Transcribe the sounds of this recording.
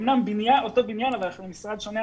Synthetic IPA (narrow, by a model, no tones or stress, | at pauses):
mnambinjanot̪obinjanavalaχlemisʁad̪ʃone